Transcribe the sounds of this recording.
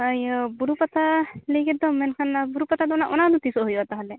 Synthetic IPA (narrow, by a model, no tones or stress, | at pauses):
ajbuɾupɐt̪ʰaliɡid̪omːenkʰɐnbuɾupɐt̪ʰad̪naʔunad̪ut̪isoɦujɐt̪ɐɦɐlːe